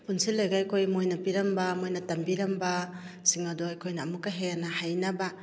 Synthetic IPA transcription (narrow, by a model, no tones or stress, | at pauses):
punsilːajɡajkʰojmojnɐpiɾɐmbamojnɐtɐmbiɾɐmba | siŋɐdoajkʰojnɐːmukːaɦeanahajnɐba